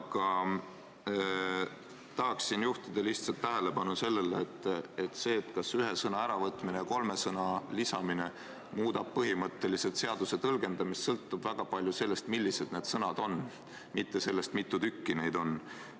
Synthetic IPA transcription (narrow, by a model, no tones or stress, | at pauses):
ɑkɑ | t̪ɑɦɑksinjuht̪id̪̥ɑliht̪sɑlt̪ːæɦe̞le̞pɑnuse̞lːe̞leːt̪ˑːet̪ːse̞ːt̪kɑsyɦe̞sɤnɑæɾɑvɤt̪ːˑminejɑko̞lme̞sɤnɑlisɑmine̞ | muːd̪ɑb̥̚pɤɦimɤt̪ːe̞liset̪se̞ɑd̪̥use̞t̪ɤlɡ̥e̞nd̪̥ɑmist̪sɤlt̪ːub̥væɡ̥ɑpɑlʲjuse̞lːe̞st̪milʲːise̞d̪̚ne̞ːd̪̥sɤnɑd̪̥o̞n | mit̪ːe̞se̞lːe̞st̪mit̪ˑːut̪ykːine̞jd̪̥o̞n